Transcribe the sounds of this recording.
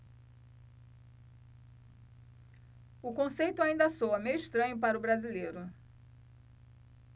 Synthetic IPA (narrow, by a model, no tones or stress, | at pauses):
ʊkõsejt̪ʊaĩnd̪ɐsoɐmejiʃt̪ɾɐ̃ɲʊpaɾʊbɾazilejɾʊ